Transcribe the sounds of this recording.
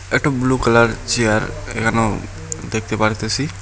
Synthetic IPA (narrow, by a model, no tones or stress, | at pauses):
eʈobluːkələɾt͡ʃiaɾḛkano | d̪eːk̚ʰt̪epaɽt̪esi